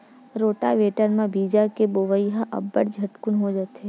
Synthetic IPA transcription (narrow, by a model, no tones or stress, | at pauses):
ɾoːʈaʋeːʈənmãbiːd͡ʒakeboʋəjɦaʔɐ̰bːəɽd͡ʒʱəʈkunɦod͡ʒat̪ɦe